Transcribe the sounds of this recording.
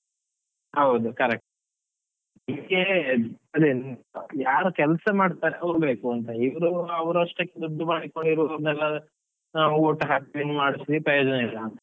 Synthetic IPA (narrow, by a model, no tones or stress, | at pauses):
ɦɐwud̪ukɐɾek̚ʈu | nimɡeɐlijaːɾukɛlsɐmaːɖt̪aːɾeʔɐwɾbeːkuɐnt̪ɐiʋɐɾuɐʋɐɾɐʂʈɐkːed̪ud̪ːumaːɽiko̞ɳɖiɾonɛlːɐ | naːʋuoːʈɦaːpiʋinːmaːɽisiipɾɐjoːd͡ʒɐneilːɐɐ